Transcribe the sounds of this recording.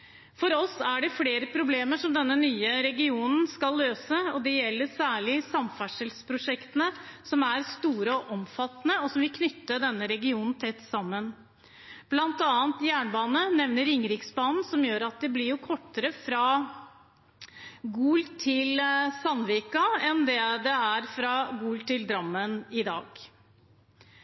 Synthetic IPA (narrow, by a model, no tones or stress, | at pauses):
fɔɾɔsæɖɛfɽeːɾəpʰɾʊbleːməʂɔmd̪ɛnːənyːəɾɛɡɪuːnn̩skɑlːøːsəɔd̪ɛjɛlːəɾsæːɭɪsɑmfæʂəlspʰɾʊʂɛkt̪ənəsɔmæɾst̪uːɾəɔʔɔmfɑt̪ːnəɔsɔmʋɪlkʰnʏt̪ːəd̪ɛnːəɾɛɡɪuːnn̩t̪ʰɛt̪ːsɑmːən | b̥lɑnt̪ɑːnt̪jæːɳbɑːnənɛʋnəɾɪŋɾɪksbɑːnn̩sɔmjøːɾɑt̪̚d̪ɛblɪɾjʊkʰɔʈːəɾəfɾɑ | ɡuːlt̪ʰɪlsɑnʋiːkɑɛnd̪ɛd̪ɛæɾfɾɑɡuːlt̪ʰɪld̪ɾɑmːənɪd̪ɑ̰ːɡ